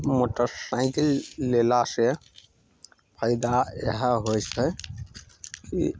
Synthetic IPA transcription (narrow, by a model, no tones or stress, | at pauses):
moʈəɾsaɪkilːelase | pʰəɪd̪aḛɦəɦojt͡ʃʰɛ | kḭ